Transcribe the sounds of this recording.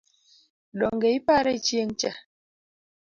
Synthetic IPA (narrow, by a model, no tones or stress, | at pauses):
ɗɔŋɡeipaɾeit͡ʃien̩t͡ʃa